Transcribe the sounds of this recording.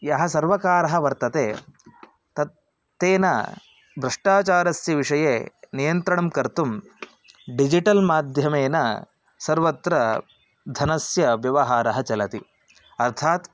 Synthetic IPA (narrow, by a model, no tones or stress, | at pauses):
jɐɦɐsɐɾʋɐkaːɾɐɦɐʋɐɾt̪ɐt̪eː | t̪ɐt̪ː | eːnɐ̰ | bɾɐʂʈaːt͡ʃaːɾɐsjɐʋiʂɐjeːnijɐnt̪ɾɐɳɐmkɐɾt̪um | ɖid͡ʒiʈɐlmaːd̪ʱjɐmeːnɐ̰ | sɐɾʋɐt̪ɾɐ | d̪ʱɐnɐsjɐʋjɐʋɐɦaːɾɐɦɐt͡ʃɐlɐt̪i | ɐɾt̪ʰaːt̪